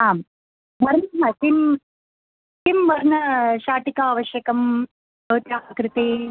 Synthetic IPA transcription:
aːm | ʋɐɾnɐɦɐt̪im | t̪imʋɐɾnɐʃaːʈikaːʋɐʃjɐkɐm | bɐːt̪jaːɐkɾɪt̪eː

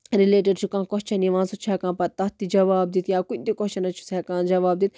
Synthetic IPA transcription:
ɾileːʈɐɖt͡ʃʰukãːkɔɦt͡ʃʰɐniʋãːnsut͡ʃʰɛːkãːpɐt̪ɐt̪ːid͡ʒɐʋaːb̚d̪it̪jaːkunt̪ikɔt͡ʃʰɐnɐt͡ʃʰu̥sɛkãːnd͡ʒɐʋaːb̚d̪it̪̚

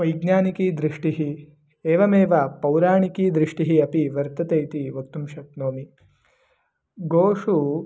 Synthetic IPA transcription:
ʋɐjɡɲaːnikiːd̪ɾiʂʈiɦi | eːʋɐmeːʋapɐwɾaːɳikiːd̪ɾiʂʈiɦiɐpiʋɐɾt̪ɐt̪ejt̪iʋɐk̚t̪umʃɐk̚noːmi | ɡoːʂu

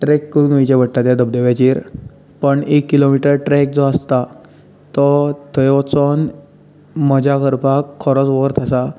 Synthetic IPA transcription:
ʈɾɛkːəɾunəit͡ɕebəɽʈ̪at̪jad̪əbd̪eʋjat͡ɕiːɾ | pəɳekːilomiʈəɾʈɾɛk̚d͡zɔəst̪a | t̪ɔt̪ʰəjɔt͡sɔn | məd͡ʑakəɾpakʰːɔɾɔt͡sʋɔɦəɾt̪ʰəsa

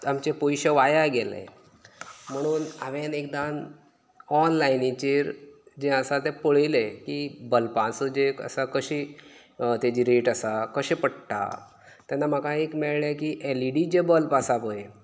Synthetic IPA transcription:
amt͡ɕepojɕəʋajaɡɛlḛ̃ | m̤əɽ̃uːnaʋẽnekd̪an | ɔnlajnit͡ɕeɾd͡ʑẽəsat̪ẽpoɭilekibəlpãsəd͡ʑeə̰sakəɕi | t̪ad͡ʑiɾeʈəsakəɕẽpəɽʈ̪a̰ | t̪janːam̤əkãekmiɭɭakiʔeliɖid͡ʑebəlpasapoje

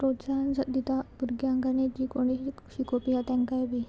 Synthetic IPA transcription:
pɾosand͡zad̪it̪abuɾɡjãŋɡaned͡ʑiːkoɽ̃i | ɕikopiɦat̪ɛ̃ŋkajbi

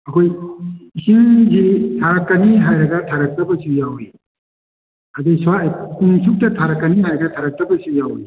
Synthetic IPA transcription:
ɐkʰojisiŋzitʰaɾɐkːaniɦajɾɐɡɐtʰaɾɐk̚tɐbɐsujawi | ɐdɐjsaiŋsuk̚tɐtʰaɾɐkːɐniɦajɾɐɡɐtʰaɾɐk̚tɐbɐsujawi

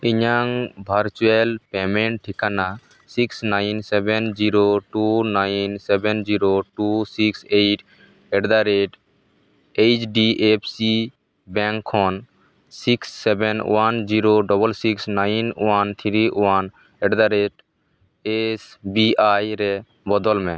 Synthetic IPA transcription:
ɪɲaŋbʱəɾt͡ʃuelpemẽɳʈʈʰikana | siksnaɪnsɛbend͡ʒiɾoʈunaːɪnsɛbɛnd͡ʒiɾoʈusiksejʈ | ɛɖd̪aɾeʈ | et͡ʃɖiʔepʰsi | bɛ̃ŋkʰːɔn | siksːebenwand͡ʒiɾoɖɔbəlsiksnaːɪnwant̪ʰiɾiwan | ɛɖd̪aɾeʈ | esbiajɾe | bɔd̪ɔlmẽ

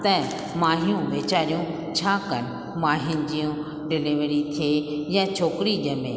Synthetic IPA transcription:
t̪ɛ̃ | maːɦijũʋeːt͡ɕaːɾijũ | t͡ɕʰaːkɐnɪ | maːɦɪnɪ̆d͡ʑijũ | ɖɪlɪʋɾit̪ʰiejãt͡ɕʰoːkɪɾiʄəmḛ̃ː

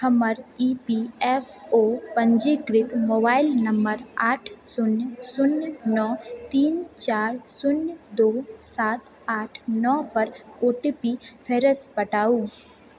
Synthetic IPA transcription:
həməɾiːpiɛpʰoːpə̃ɲd͡ʒikɾɪt̪moːbaːɪlnɐmbəɾaːʈʰsʊnjəsʊnjnɔːt̪iːnt͡ʃaːɾsʊnjd̪oːsaːt̪ | aːʈʰnɔːpɐɾoːʈipipʰeːɾəspəʈaːuː

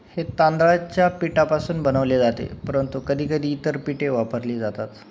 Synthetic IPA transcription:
het̪and̪ɾat͡ɕjapiʈapasuːnbənəʋled͡zat̪ḛpəɾənt̪ukəd̪ʱiːkəd̪ʱiːt̪əɾpiʈeʋapəɾliːd͡zat̪at̪

